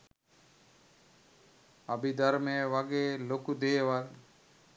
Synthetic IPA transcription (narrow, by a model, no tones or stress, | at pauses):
əbid̪əɾmẽʋaɡeːloːkud̪eːʋaɾ